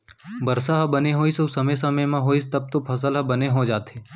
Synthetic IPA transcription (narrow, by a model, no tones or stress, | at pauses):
bɐɾsaɦɐbɐneɦoːisoʊsɐmes̬ɐməjmãɦoːist̪ɐb̚t̪õpʰɐs̬əlɦɐbɐneɦod͡ʒaːt̪e